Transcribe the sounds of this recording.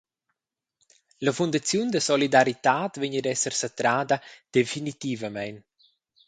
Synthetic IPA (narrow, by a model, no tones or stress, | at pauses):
ləfund̪at͡sjund̪əsɔlid̪aɾit̪aːt̪veɲədɛsəɾsət̪ɾaːd̪ad̪̥efinit̪ivəmɛjn